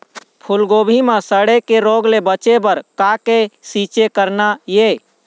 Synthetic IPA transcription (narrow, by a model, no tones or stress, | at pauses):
pʰulɡobʱimesəɽekeɾoɡlebət͡ʃebəɾkakesit͡ʃekəɾnaje